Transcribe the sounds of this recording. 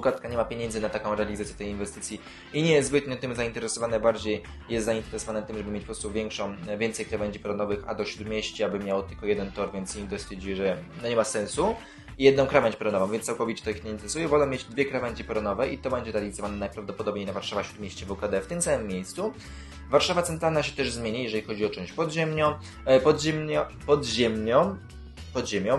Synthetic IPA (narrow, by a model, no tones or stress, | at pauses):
vukad̪kaɲɛmapʲjeɲɛnd̪zɘnat̪akɔ̃w̃ɾɛalʲizat̪sʲjɛt̪ɛjinvɛst̪ɘt̪sʲji | iɲɛjzzbɘt̪̚ɲɔ̃t̪ɘmzaint̪ɛɾɛsɔvanɛbaɾd͡ʑej | jɛst̪zaint̪ɛɾɛsɔvanɛt̪ɘmʐɛbɘmʲet͡ɕpɔpɾɔst̪uvʲjɛŋkʂɔ̃w̃vʲɛnt̪sɛjkɾavɛɲʲd͡ʑipɛɾɔnɔvɘxa̰d̪ɔɕɾud̪mʲjeɕt͡ɕɛabɘmʲjawt̪ɘlkɔjɛd̪ɛnt̪ɔɾvʲjɛnt̪sɲiɡd̪ɔsfʲjɛɾd͡ʑijɛʐɛnɔɲɛmasɛ̃nsu | jɛd̪nɔ̃w̃kɾavɛɲd͡ʑpɔɾɔnɔvɔ̃vʲɛnssawkɔvʲit͡ɕɛt̪ɔixɲeint̪ɛɾɛsujɛvɔlɛ̃mʲjed͡ʑd̪vʲjɛkɾavɛɲd͡ʑipɛɾɔnɔvɛʔit̪ɔbɛɲd͡ʑɛɾalʲizɔvanɛnajpɾavd̪ɔpɔd̪ɔbɲejnavaɾʂavaɕɾud̪mʲjeɕt͡ɕɛvukad̪ɛft̪ɘmsamɘmʲːjejst̪su | vaɾʂavat̪ɛnt̪ɾalnaɕɛt̪ɛʐzmʲjeɲijɛʐɛlʲixɔd͡ʑiɔt͡ʂɔ̃w̃t͡ɕpɔd̪ʑɛmɲɔ̃w | pɔd̪ʑɛmɲɔpɔd̪ʑɛmɲɔ̃w̃ | pɔd̪ʑemʲjɔ̃